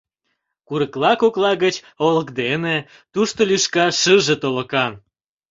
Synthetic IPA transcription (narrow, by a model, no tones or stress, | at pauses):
kuɾəklɑkoklɑɣət͡ɕ | oləkd̪ene | t̪uʃt̪olyʃkɑʃəʒet̪oləkɑn